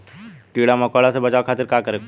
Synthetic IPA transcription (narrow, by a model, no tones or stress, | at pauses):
ʈiːɽamɐkoːɽasebɐt͡ʃaːokʰaːt̪ɪɾkaːkɐɾek